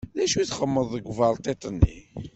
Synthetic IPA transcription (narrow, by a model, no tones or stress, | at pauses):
ðæʃuθχəmːəðˤəɡʷvɑɾˤt̪ˤet̪ˤənːḭ